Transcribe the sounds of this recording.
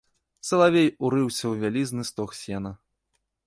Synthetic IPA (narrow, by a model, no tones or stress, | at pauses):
t̪sɐlˠavʲejuɾɨwsʲɐwvʲalʲiznɨst̪ɔxsʲɛnɐ